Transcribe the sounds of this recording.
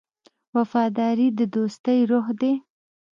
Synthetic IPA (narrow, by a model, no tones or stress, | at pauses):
wafɑd̪ɑɾid̪əd̪ost̪əjɾoxd̪e